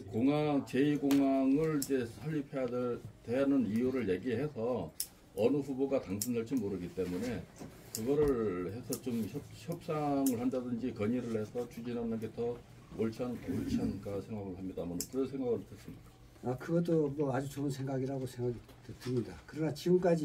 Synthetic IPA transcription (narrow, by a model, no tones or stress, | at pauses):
koŋaŋt͡ɕe̞iɡoŋaŋɯɭid͡ʑe̞sʰʌʎːipʰejadtweanɯnijuɾɯɭje̞ɡiɦe̞sʰʌ | ʌnɯɸuboɡataŋsʰɯndaɭt͡ɕ͈imoɾɯɡit͈e̞mune̞ | kɯɡʌɾɯɭhe̞sʰʌt͡ɕomçʌp̚çjʌp̚s͈aŋɯɭhandadɯnd͡ʑikʌɲiɾɯɭhe̞sʰʌt͡ɕud͡ʑinʌnːɯnɡe̞tʌ | oɭt͡ɕʰianoɭt͡ɕʰiɦank͈asʰe̞ŋɡaɡɯɭɦamɲidamʌnkɯʌnsʰe̞ŋɡaɡɯɭtʰɯs͈ɯmɲik͈a | akɯɡʌt̬͈omwʌad͡ʑut͡ɕoɯnsʰeŋɡaɡiɾaɡosʰeŋɡaɡi | ttɯmɲidakɯɾʌnat͡ɕiɡɯmk͈ad͡ʑi